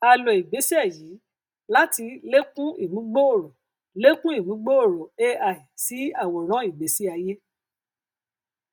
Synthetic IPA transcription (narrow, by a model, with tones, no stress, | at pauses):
a˨lɔ˨i˨ɡ͡be˨˦si˦ɛ˦˨jiː˨˦ | la˦ti˧le˦kũ˦i˦˨mũ˨˦ɡ͡bo˦o˦˨ɾo˨ | le˦kũ˦i˦˨mũ˨˦ɡ͡bo˦o˦˨ɾo˨e˦a˨i˨si˨˦a˦˨wɔ˨ɾ̃ã˨˦i˦˨ɡ͡be˨˦si˦a˧je˦